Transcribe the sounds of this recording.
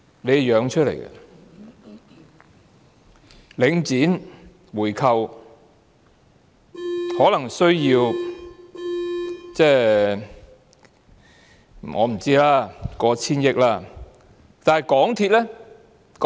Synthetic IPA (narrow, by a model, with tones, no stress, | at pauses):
le˨˧jjœː˨˧ŋt͡ʃʰɵ˥t̚lḛ˨˩jɡɐ̰˧ | lɪ˨˧ŋt͡siː˨˥n | wuː˨˩jkʰɐ˨˧w | hɔː˨˥lɐ˨˩ŋsɵ˥ɥjiː˧w | t͡sɛː˥˩ | ŋɔ̰ː˨˧m̩˨˩t͡siː˥laː˥kɔː˨˥t͡sʰiː˥njɪ˥k̚laː˥ | t̪aː˨nhɐ˨˩jkɔː˨˥ŋt̪ʰiː˧t̚lɛː˥ | k